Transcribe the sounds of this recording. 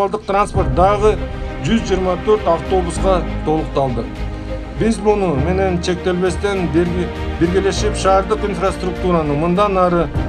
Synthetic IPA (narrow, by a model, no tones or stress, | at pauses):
lˠd̪ɯq̚t̪ranspo̞rt̪̚d̪ɑʁɯd͡ʒyzd͡ʒijɾmɑt̪ʰø̞ɾt̪ɑft̪o̞busqɑt̪ʰo̞lˠuq̚t̪ɑlˠd̪ɯq | bizbunume̞ne̞nt͡ʃʰe̞k̚t̪e̞lβe̞st̪en | biɾɡʲele̞ʃipʃɑːɾd̪ɯqinfrast̪ruk̚t̪uɾanɯmɯnd̪ɑnɑɾɯ